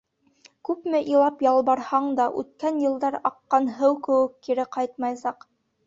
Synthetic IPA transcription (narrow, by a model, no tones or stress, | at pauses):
kʉpmɘʔilˠɑpjɑlˠbɑɾhɑɴd̪ɑʔʉ̰t̪̚kænjɤ̆lˠd̪ɑɾɑqːɑnɦɤwkɘ̆wɘkːiɾɘqɑjt̪̚mɑjsɑq